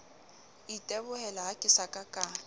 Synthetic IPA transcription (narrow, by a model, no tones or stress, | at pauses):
itʼɛbʊhɛlaɦakʼɪsakʼakʼaː